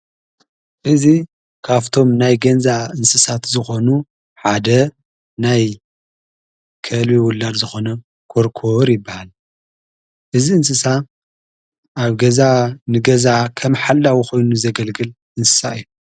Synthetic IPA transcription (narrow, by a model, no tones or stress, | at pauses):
ʔɨzi | kʰaβt̪ʰo̞mnajɡɐnzaɨnsɨsat̪zɨxo̞nu | ħad̪ɐ | naj | kʰɐlbiwʊlːad̪zɨxo̞nɐ | kʰoɾkʰoɾjɪbːahal | ʔɨziɨnsɨsa | ʔaβɡɐzanɨɡɐzakʰɐmħalːawixo̞jnuzɐɡɐlɡɨl | ʔɨnsɨ̥sa̰ɨjːu